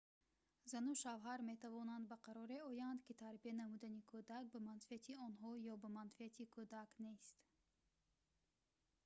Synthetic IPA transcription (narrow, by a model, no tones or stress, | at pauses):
zanuʃavɦaɾme̞t̪ʰavɔnand̪baqʰaɾɔɾeɔjand̪kit̪ʰaɾbianamud̪anikʰud̪ak̚bamanfiat̪ʰiɔnɦɔjɔbamanfiat̪ʰikʰud̪aknest̪